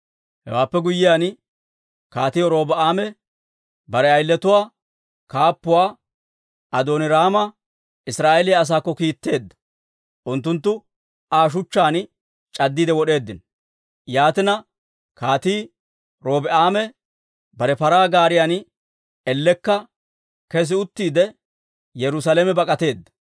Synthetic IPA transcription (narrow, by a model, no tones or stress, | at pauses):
hɛ̰waːpːɛɡʊjːɪjan | kaːt̪ɪjɔɾo̞ːbɛʔaːmɛ | bɐɾɛɐjlːɛt̪ʊwaː | kaːpːʊwaː | ɐd̪oːnɪɾaːmɐ | ɪsɾaːʔɛlɪjɐːs̬aːkːɔkiːt̪ːe̞ːd̪ːɐ̥ | ʔʊnt̪̬ːʊnt̪̬ːʊ | aːʃ̬ʊt͡ʃːaːn | t͡ʃʼɐd̪ːiːd̪ɛwɔɗe̞ːd̪ːɪn | jaːt̪ɪnɐ | kaːt̪iː | ɾo̞ːbɪʔaːmɛ | bɐɾɛpɐɾaːɡaːɾɪjan | ɛlːɛkːɐ | kɛs̬ɪʊt̪ːiːd̪ɛ | jɛɾʊs̬alɛmɛbɐkʼɐt̪e̞ːd̪ːɐ̥